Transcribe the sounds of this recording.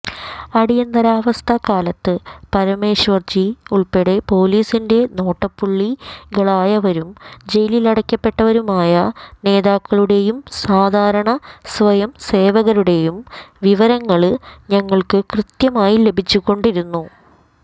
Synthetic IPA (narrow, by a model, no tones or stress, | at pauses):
ɐɽijɐnd̪ɐɾaːʋɐst̪ʰɐkaːlɐt̪ːɨpɐɾɐme̞ːɕʋɐrd͡ʑiuɭpeɽepo̞ːliːsinde̞no̞ːʈːɐpːuɭːiɡɐɭaːjɐʋɐɾumd͡ʑe̞jlilɐɽɐkʲːɐpːe̞ʈːɐʋɐɾumaːjɐne̞ːðaːkːɐɭuɽe̞jumsaːd̪ʱaːɾɐɳɐsʋɐjɐmse̞ːʋɐɣɐɾuɽe̞jumʋiʋɐɾɐŋːɐɭɲɐŋːɐɭkɨkrɨt̪jɐmaːjile̞bʱit͡ɕːukːo̞ɳɖiɾunːu